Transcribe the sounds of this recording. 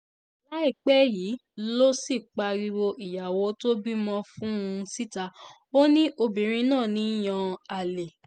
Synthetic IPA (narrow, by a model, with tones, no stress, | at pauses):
la˦i˦˨k͡pɛ˦jiː˨˦lo˦si˦˨k͡pa˧ɾi˧wo˧ʔi˨ja˨wo˨˧˦to˦bi˦mɔ̃˦fũ˦˧si˦˨ta˧ | o˦nĩ˦ʔo˧bĩ˨ɾ̃ĩ˧nãː˦˨nĩ˨˦j̃ɔ̃˧a˨le˨